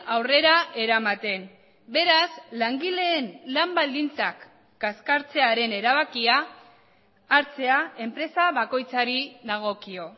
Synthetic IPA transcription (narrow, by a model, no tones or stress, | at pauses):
awre̞ɾaʔe̞ɾamat̪e̞n | be̞ɾaslaŋɡile̞ːnlambald̪int͡sakː | askaɾt͡se̞aɾe̞ne̞ɾaβakia | ɾt͡se̞ae̞mpɾe̞saβako̞jt͡saɾiðaɣ̞o̞kio̞